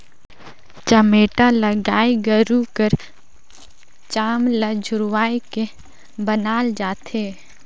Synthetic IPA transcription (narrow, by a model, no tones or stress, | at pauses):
t͡ʃəmeːʈaləɡaːiɡəɾukəɾ | t͡ʃaːmləd͡ʒʱʊɾwaːeke | bənaːld͡ʒaːt̪ʰeː